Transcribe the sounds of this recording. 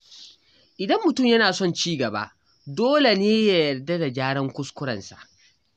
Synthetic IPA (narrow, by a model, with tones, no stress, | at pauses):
ʔɪ˨dɐ˦mːʊ˨tʊ˦˨mjɐ˦naː˨sɔ˦˨nt͡ʃiː˦ɡɐ˨ba̰˦ʔ | doː˦le˨neː˦ja˨jɐ˨rda˦da˨d͡ʒaː˦ɽɐ˦ŋkʷʊ˦skʷʊ˦ɽɐ̰˨nsa̰˨ʔ